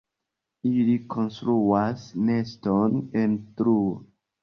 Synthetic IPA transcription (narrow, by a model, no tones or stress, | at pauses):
iliko̞nstɾuasnestonentɾuo